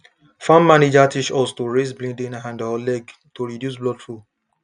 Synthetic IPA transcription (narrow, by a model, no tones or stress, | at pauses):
fãmːaned͡ʒatiʃɔstoɹezblĩndĩnãndɔlɛɡ | toɹidjus̬blɔdfɹu